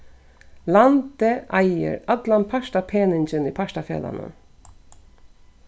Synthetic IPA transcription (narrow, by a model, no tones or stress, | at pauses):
land̪əʔæɪə̰ɹat̪lanpʰaʃtapʰeːnɪɲt͡ʃəniːpʰaʃtafjḛːd̪a̰nə̰